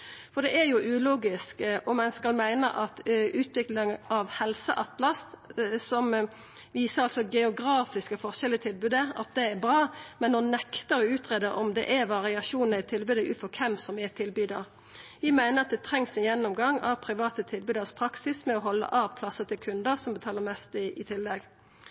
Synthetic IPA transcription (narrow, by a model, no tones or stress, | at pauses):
fɔd̪ɛʔæɾjʊʔʉːluːɡɪskɔmɛnskɑlmæɪnə̰ʔɑt̪ʉːt̪ʋɪklɪŋɑʋhɛlsə̰ʔɑt̪lɑst̪sɔm | ʋiːsəɾɑlsɔɡɛʊɡɾɑːfɪskəfɔʁʃɛlət̪ʰɪlbʉːd̪əɑ̰t̪̚d̪ɛːbɾɑːmɛnːɔnːɛkt̪əɾɔʉːt̪ʁeːd̪əʔɔ̰md̪ɛ̰ʔæʋɑʁɪɑʃuːnəʁɪt̪ʰɪlbʉːd̪əʔʉ̰ːt̪fɔʁkʰɛmsɔmæt̪ʰɪlbyːd̪ɑʁ | ʋɪmæɪnəʁɑt̪̚d̪ɛt̪ʰʁɛŋsɪjɛnːɔmɡɑŋːɑʋpʰɾɪʋɑːt̪ət̪ʰɪlbʉːd̪əspʰɾɑksɪsmɛɔɦɔlːə̰ʔɑʋpʰlɑsət̪ɪlkʰʉnd̪əʁsɔmbət̪ʰɑːləɾmɛst̪ɪt̪ʰɪlːɛɡ